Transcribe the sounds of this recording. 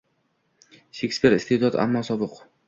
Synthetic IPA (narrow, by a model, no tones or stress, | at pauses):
ʃekʲspʰeɾt̪ɪst̪ʰed̪ɒt̪a̰mːɒsɒbɨq